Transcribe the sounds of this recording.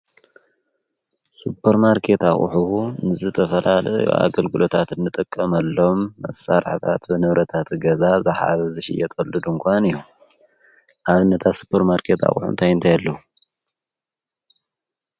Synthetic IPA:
supʰːɐɾmaɾkʰe̞t̪aχʼṵħuunɨzɨt̪ʰɐfɐlalɐ̰jo̰a̰ɡɐlɡɨlo̞t̪ʰat̪ɨnːɨt̪ʼɨkʼːɐmɐlːo̞mːɐsaɾħt̪ʰa̰t̪βɨnɨβɾʔɐt̪ʰat̪ɡɐzazɨħa̰zɐzɨʃɪ̰jɛt̪ʼɐlːud̪uŋkʰʷanɨju | ʔaβɨnːɐt̪ʰat̪su̥pʰːɐɾmaɾkʰe̞t̪a̰χʼṵħṵnt̪ʰajɨnt̪ʰajalːɐu

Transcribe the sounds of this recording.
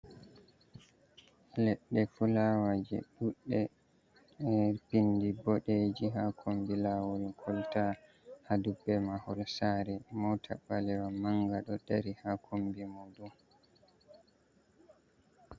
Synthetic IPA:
lɛɗːɛfulawad͡ʒɛ̰ɗuɗːɛ | pindibɔɗed͡ʒiɦakʰombilawuɾikʰɔlta | hadubːɛmahɔlsaɾɛmɔtʰa̰ɓalɛwamaŋɡaɗɔdaɾihakʰombimɔdum

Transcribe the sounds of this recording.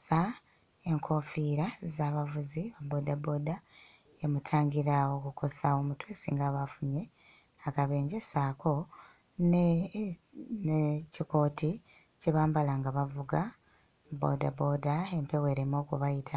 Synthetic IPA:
sa | e̞ŋkʰo̞fiɾazaːβavuziβabo̞dabo̞ːda | emutʰaːŋɡiɾaokukʰo̞sao̞mutwesḭŋɡaβafuɲe̞ | akaβe̞ːɲɟesako̞ | n | neciko̞ːti | ceβaːmbalaŋɡaβavuɡa | bo̰da̰bo̞ːdae̞mpe̞we̞ɾemo̞ːkuβajitʰa

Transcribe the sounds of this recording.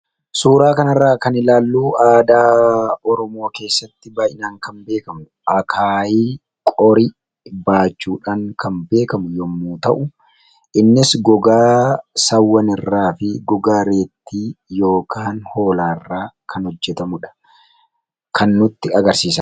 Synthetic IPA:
suːɾaːkɐnɐrːaːkɐnɪlaːlːuːaːd̪aːɔɾɔmo̞ːke̞ːsːɐt̪ːɪbaːjɪnaːŋkɐmbe̞ːkɐmʊ | ʔɐkʰaːjiː | kʼɔɾi | baːt͡ʃːuːᶑaːŋkɐmbe̞ːkɐmʊjɔmːuːt̪ɐʔʊ | ʔɪnːɪsɡɔɡaːsɐwːɐnɪrːaːfɪɡɔɡaːɾe̞ːt̪ːiːjo̞ːkʰaːnhoːlaːɪrːaːkʰɐnhɔd͡ʒːɛt̪ɐmʊᶑɐ̥ | kʰɐnːʊt̪ːɪɐɡɐɾsiːsɐ

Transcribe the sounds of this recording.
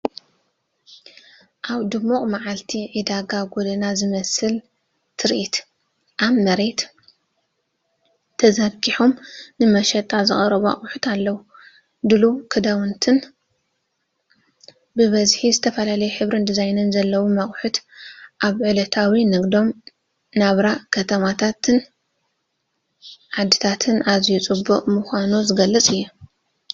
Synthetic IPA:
ʔaβd̪ɨmːukʼmaʕalt̪ʰiʕid̪aɡaɡod̪ɐnazɨmɐsɨl | t̪ʰɨɾʔit̪ | ʔaβmɐɾet̪ | t̪ʰːɐzaɡiħomnɨmɐʃɐt̪ʼazɨχʼɐɾɐβua̰χʼħut̪ʰalːɐwu | d̪ɨlukʰɨd̪awunt̪ʰɨn | bɨβɐzħizɨt̪ʰɐfɐlalɐjɛħɨβɾɨnd̪izajnɨnzɐlːɐwumɐχʼħut̪ʔaβʕɨlɐt̪ʰawinɨɡd̪o̞m | naβɾakʰɐt̪ʰɐmat̪ʰat̪ɨn | ʕad̪ːit̪ʰat̪ʰɨnazjut͡sʼɨbːuqʼmɨxʷanuzɨɡɐlːɐt͡sʼɨjːu

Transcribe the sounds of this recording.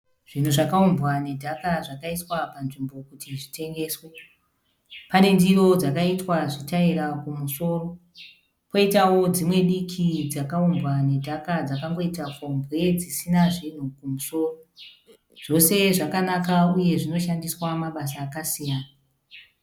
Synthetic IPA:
ʐ̥in̤uʐakaumbwane̞dʱakaʐakaitwapanʐimbo̞kutʰiʐite̞ŋɡe̞ːswe | pane̞ndiro̞d͡zakaitwaʐitairakumuso̞ːro̞ | po̞itawo̞d͡zimwe̞ɗikʰid͡zakaumbwane̞dʱakad͡zakaŋɡo̞itafombwe̞d͡zisinaʐin̤ukumuso̞ːro | ʐ̥o̞se̞ʐakanakauje̞ʐino̞ʃandiswamaɓasaːkasijaːna

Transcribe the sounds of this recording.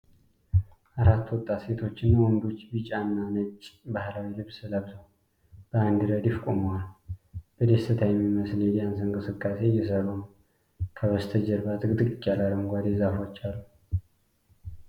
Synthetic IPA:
ʔaɾat̪ːwɔt̪ʼːase̞t̪ʰo̞t͡ʃːɪnwɔnd̪ot͡ʃːbit͡ʃʼanːanət͡ʃʼbahlawilɨβsɨləβzəw | b̥əand̪ɨɾəd̪jifkʼoməwalbəd̪est̪ʰɨt̪ʰajɛmːiməsljansɨŋkʼɨsɨkʼːase̞jɛsəɾonəw | kʰəβəst̪ʰəd͡ʒɛɾbat̪ʼɡɨt̪ʼɨkʼɨkʼːalaləŋɡʷad̪ezafot͡ʃːalːu

